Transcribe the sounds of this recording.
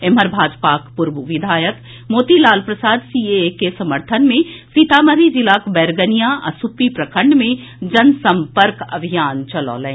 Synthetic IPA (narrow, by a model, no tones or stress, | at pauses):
eməɾbʱaːd͡ʒpaːkpʊɾbuʋɪd̪ʱaːjək | moːt̪ilaːlpɾəsaːd̪siːekesɐməɾt̪ʰənmẽsiːt̪aːməɾid͡ʒilaːkbɛːɾɡənijaʔɐ̰supipɾɐkʰə̃ɳɖmẽ | d͡ʒɐnsɐ̃mpəɾkɐ̰bʱijaːnt͡ʃɐlɔ̰ːlɛ̃ː